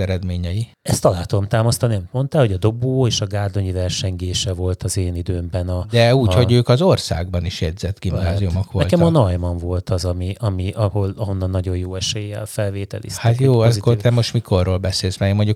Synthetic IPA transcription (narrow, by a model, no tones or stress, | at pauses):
ɛɾɛd̪meːɲɛji | ɛst̪ɒlaːt̪ud̪omt̪aːmɒst̪ɒniɒmit̪̚mo̞nt̪aːlhoɟɒd̪o̞boːeːʃɒɡaːrd̪o̞ɲivɛrʃɛɲɡeːʃɛvo̞lt̪ɒzeːnid̪øːmbɛnɒd̪ɛuːcho̞ɟøːkɒzorsa̰ːɡbɒniʃjɛd̪zɛt̪ɡimnaːzijumokʋonɛlkɛmɒnɒjmɒɱvo̞lt̪ɒzɒmiɒmiʔɒho̞lɒɦo̞nːɒnːɒɟo̞jjoːɛʃɛjeːvɛ̰lfɛlveːt̪ɛ̰lḭːsthaɛt̪joːikːod̪ɛmoʃt̪mikʰo̞rːoːlbɛseːlzmɛmoɲɟuk